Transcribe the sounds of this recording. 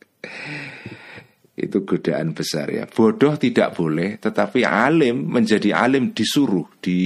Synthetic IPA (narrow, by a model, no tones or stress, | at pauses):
ʔḭt̪uɡ̥o̤d̥aʔanb̥əsa̰rja̰b̥ɔɖ̥ɔht̪idaʔb̥olɛht̪ət̪apia̰lɪmːəɲd͡ʒadiʔa̰lɪmd̥i̤suɾʊhd̥i